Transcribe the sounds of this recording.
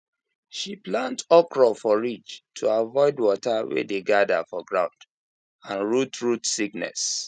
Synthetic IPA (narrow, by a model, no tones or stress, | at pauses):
ʃiplãntɔkɹɔfɔɹit͡ʃtʰuavɔɪdwɔtawḛdeɡada̰fɔɡɹãʊ̃nd | ãnɹutɹutsiknɛ̰s